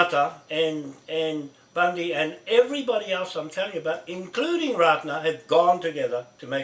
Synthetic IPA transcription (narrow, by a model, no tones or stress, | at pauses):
tə˞ɨ̃nɨ̃n | b̥ʌ̃ndiɨ̃nɛvɹibɑɾiɛlˠsãɪ̃mtʰɛlˠɪ̃ŋɨbaʊɾɨ̃nkʰl̥ʉɾɪ̃ŋɹɑtⁿnə˞ɨvɡɔ̃ntɨɡɛðə˞ɾɨmeɪ